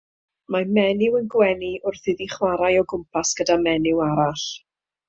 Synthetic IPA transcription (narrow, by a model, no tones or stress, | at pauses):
mamɛnɪwənɡwɛniʔʊrθɨðiχwaɾajɔɡʊmpʰasɡ̥ədamɛnɪwaɾaɬ